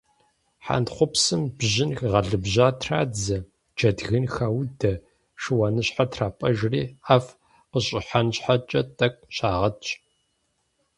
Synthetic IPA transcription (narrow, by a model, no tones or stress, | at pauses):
ħa̰ntχʷʊpsɨmbʑɪnxʁɐɮɨbʑaːtʰra̰ːd͡zɐ | d͡ʒɐdɣɨnxɐwdɐ | ʂɨwɐnɨɕħatʰraːpʼɐʒriːaːf | qəɕʼɪħanɕħat͡ʃʼɐtʼɐkʷʼɕaːʁɐt͡ʃʼ